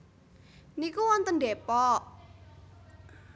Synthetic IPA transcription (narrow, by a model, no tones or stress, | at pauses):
nikuwɔnt̪ənɖepɔʔ